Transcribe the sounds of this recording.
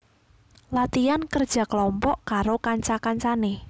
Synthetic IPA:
lat̪iankərd̥ʒ̥ä̤kəlɔmpɔʔkaɾokaɲt͡ʃakaɲt͡ʃane

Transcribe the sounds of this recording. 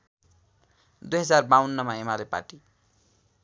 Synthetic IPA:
d̪ujɦʌd͡zarbawnːʌmaemalepa̰ʈi

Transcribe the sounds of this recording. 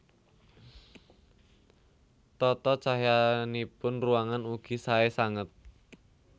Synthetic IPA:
t̪ɔt̪ɔt͡ʃaɦjanipʊnruaŋanuɡ̥isaesaŋət̪̚

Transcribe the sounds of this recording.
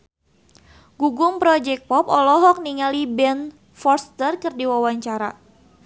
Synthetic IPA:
ɡ̥uɡʊmpɾɔd͡ʒɛk̚pɔpɔlɔɦɔk̚niŋalibɛn | fɔrst̪ərkɨrdiwawaɲt͡ʃaɾa̰

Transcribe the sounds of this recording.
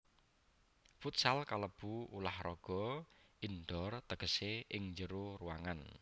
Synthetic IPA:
fut̪salkaləb̥uulahrɔɡ̥ɔ̤ʔinɖɔrt̪əɡ̥əseɪŋɲd͡ʒəɾuruwaŋan

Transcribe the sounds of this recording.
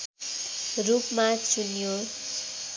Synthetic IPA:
rupmat͡sunjo

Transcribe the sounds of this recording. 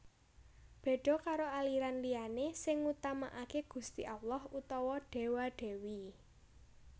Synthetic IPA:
b̥e̤ɖ̥ɔ̤kaɾoaliɾanlianesɪŋut̪amaʔakeɡ̥ṳst̪iʔalɔhut̪ɔwɔɖ̥e̤waɖ̥ɛ̤wi

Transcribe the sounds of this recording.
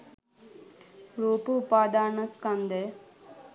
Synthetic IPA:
ɾuːpuupaːd̪aːnɐskɐnd̪e

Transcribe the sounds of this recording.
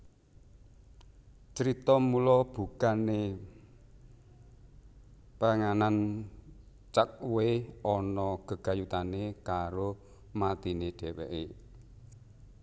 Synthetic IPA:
t͡ʃəɾit̪ɔmulɔb̥ṳkane | paŋanan | t͡ʃak̚weɔnɔɡ̥ə̤ɡ̥ä̤jut̪anekaɾo | mat̪ineɖ̥ɛ̤wḛʔe

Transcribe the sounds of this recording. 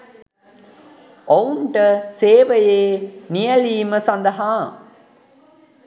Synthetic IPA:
ouɳʈəseːʋəjeːnijɐliːməsɐnd̪ɐɦaː

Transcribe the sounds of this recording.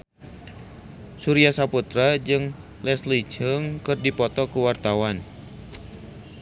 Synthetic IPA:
suɾiasaput̪ɾad͡ʒɨŋ | lɛslid͡ʒəŋkɨrdipɔt̪ɔkuwart̪awan

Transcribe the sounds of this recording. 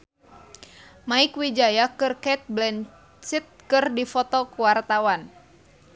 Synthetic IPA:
maɪkwid͡ʒajakɨrkɛt̪̚blɛn | sit̪̚kɨrdifɔt̪ɔkuwart̪awan

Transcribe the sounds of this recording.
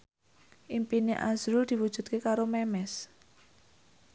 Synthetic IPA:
ʔimpineʔa̰zɾuld̪̥i̤wud̥ʒ̥ṳt̪̚kekaɾomɛmɛs

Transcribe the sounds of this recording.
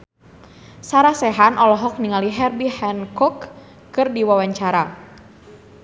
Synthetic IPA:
saɾasɛɦanʔɔlɔɦɔk̚niŋaliɦɛrbihɛnkɔkː | ɨrdiwawaɲt͡ʃaɾa

